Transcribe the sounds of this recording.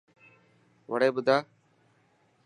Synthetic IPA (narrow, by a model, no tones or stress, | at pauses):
ʋəɽeːbʊd̪ʱaː